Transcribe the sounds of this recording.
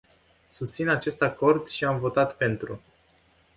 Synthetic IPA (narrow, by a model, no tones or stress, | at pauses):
sust̪sinat͡ʃe̞st̪ako̞rd̪ʃiamvo̞t̪at̪pe̞nt̪ɾu